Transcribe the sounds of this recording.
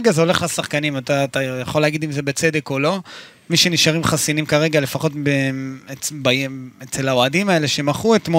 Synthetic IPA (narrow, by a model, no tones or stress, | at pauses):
ɡazeo̞le̞χasaχkanimat̪at̪ajaχo̞leaɡid̪imzebet͡se̞d̪e̞ko̞lo̞ | miʃeniʃaʁimχasinimkaʁe̞ɡale̞faχo̞tbeebaeet͡selao̞adimaele̞ʃemaχuet̪mo